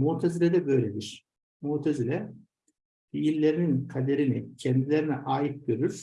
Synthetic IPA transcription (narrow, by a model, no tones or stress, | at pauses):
mut̪ʰezilʲɛd̪ɛbø̞jlʲed̪iɾ̥ | muːt̪ʰezilʲɛ | fiiɾlʲe̞ɾininkʰad̪e̞ɾinicʰɛnd̪ilʲeɾinɛʔaːjit̪̚ɟøɾyɾ̥